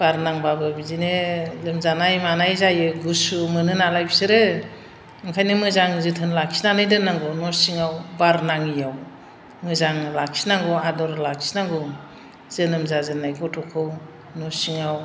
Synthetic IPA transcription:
b̥aɾnaŋbabɯbizinelɯmzanajmanajzajɯɡusumɯnɯnalajbisɯɾɯ | ɯŋkʰajnɯmɯzaŋzɯtʰɯnlakʰi̥snanɯjdɯnːaŋɡɔnɔsiŋawbaɾnaŋijaw | mɯzaŋlakʰi̥snaŋɡɔadɔɾlakʰi̥snaŋɡɔ | zɯnɯmzazɯnajɡɔtʰɔkʰɯw | nɔsiŋaw

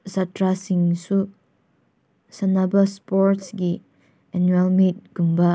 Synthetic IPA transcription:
satɾasĩŋsu | sanabəspɔɾtsɡi | ɛ̃nuɛlmit̚ɡ̥umba

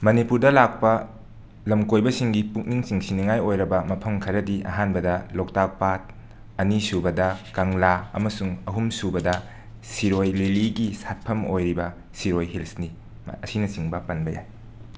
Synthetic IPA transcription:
mɐnipuɾdɐlak̚pɐ | lɐmkojbɐsiŋɡipuk̚niŋsiŋsiniŋajojɾɐbɐmɐpʰɐmkʰɐɾɐdiʔɐ̰ɦanbɐdɐlok̚tak̚pat̚ | ɐnisubɐdɐkɐŋlaɐ̰mɐsuŋɐɦumsubɐdɐ | siɾojliliɡisat̚pʰɐmojɾibɐ | siɾojɦilsni | ɐsinɐsiŋbɐpɐnbɐja̰j

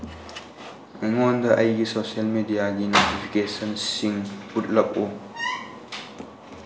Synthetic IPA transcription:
ɛŋɔnd̪ɐʔɐjɡisosiɐlmedijaɡinotipʰikesɐnsiŋput̚lɐk̚u

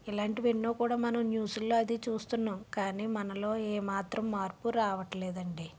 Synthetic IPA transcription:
ilaːɳʈiʋeɳːoːkuːɽaːmɐnɐmnjuːsulːoːɐd̪it͡ʃuːst̪unːaːmkaːniːmɐnɐlo̞ːeːmaːt̪ɾɐmːaːɾpuɾaːʋɐʈɐlɛːd̪ɐɳɖi

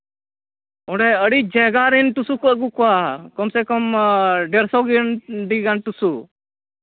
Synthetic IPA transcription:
ɔ̃ɖɛəɽid͡ʒɛɡaɾɛnʈusukɔʔɡukɔwakɔmsɛkɔmɖɛɾsɔɡinɖiɡanʈusu

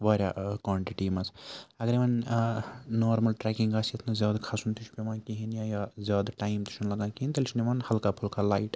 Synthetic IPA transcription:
baːɾʲjakwaːɳʈiʈiːmɐsʰɐɡɐɾimɐn | noːɾmɐlʈɾɛkiŋɡaːsɐt̪ʰnazjaːd̪kʰasunt̪ʰit͡ʃʰpemaːkiɦinjajazʲjaːd̪ʈaːimt̪i̥ʃʰɐnlɐɡãnkiint̪ɐlʲt͡ʃʰnimaːnhɐlkapʰulkʰalaːiʈ

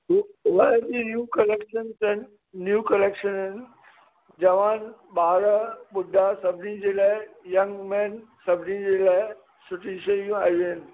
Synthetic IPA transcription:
ʋɐd͡ʑinjukɐleːkʃənzɦɪnɪ̆ | njuːkɐleːkʃənɦɪnɪ̆ | d͡ʑɐʋaːnɓaːɾaɓʊd̪ʱasɐbʱnĩd͡ʑeːlaːɪjɐ̃ŋɡmɛ̃ːnsɐbʱnĩd͡ʑeːlaːɪ | sʊʈʰiʃɐijũaːɦijɦɪnɪ̆

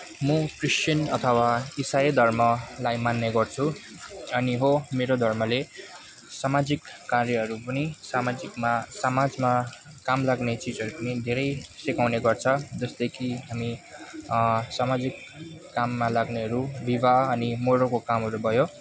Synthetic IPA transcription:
mʌkrisʈjʌnʌt̪ʰʌwaisajʌd̪ʱʌrmʌlajmanːeɡʌrt͡sʰu | ʌniɦomeɾod̪ʱʌrmʌle | samad͡zikːarjʌɦʌɾupʌnisamad͡zikmasamad͡zma | kamlaɡnet͡sid͡zʌɾupʌnid̪ʱeɾʌjsikawneɡʌrt͡sʰʌd͡zʌsd̪ekʰiɦami | samad͡zikː | amːalaɡneɦʌɾubibʱaʌnimoɾokokamɦʌɾubʱʌjo

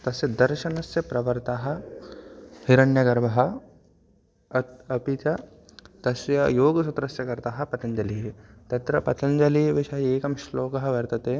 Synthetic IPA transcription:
t̪ɐsjɐd̪ɐɾʃɐnɐsjɐpɾɐʋɐɾt̪aːɦɐ̆ | hiɾɐnjɐɡɐɾʋɐɦɐ̆ | ɐpit̪ɐ | t̪ɐsjɐjoːɡsut̪ɾɐsjɐkɐɾt̪aːɦɐ̆pɐt̪ɐnd͡ʒɐliɦt̪ɐt̪ɾɐpɐt̪ɐnd͡ʒɐliʋɪʃɐɦɐeːkɐmʃloːkɐɦɐ̆ʋɐɾt̪ɐt̪eː

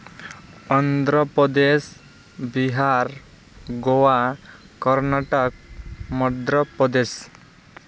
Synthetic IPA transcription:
ənd̪ɾəpɾəd̪es | biɦaɾ | ɡoʋa | kəɾnaʈək̚məd̪ɾəpəd̪es

